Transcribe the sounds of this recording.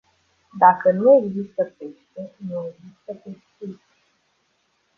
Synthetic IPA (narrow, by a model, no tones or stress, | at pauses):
d̪akənue̞ɡzist̪əpeʃt̪enueɡzist̪əp̪eʃt̪i